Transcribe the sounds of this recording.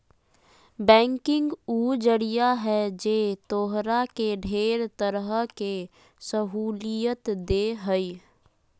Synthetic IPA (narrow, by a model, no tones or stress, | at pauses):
bɛ̃ːŋkɪ̃ŋɡuːd͡ʒəɽijaɦɛd͡ʒeːt̪oːɦɾakeɖʱeːɾt̪əɾəɦəke | səɦuːlijət̪d̪eɦəi